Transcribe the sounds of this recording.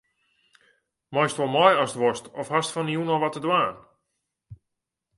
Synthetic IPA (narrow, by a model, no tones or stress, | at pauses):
mɔjstʋɔlˠmɔjɔsətʋɔstɔfhastfɔniunɔlˠʋɔtədwaːn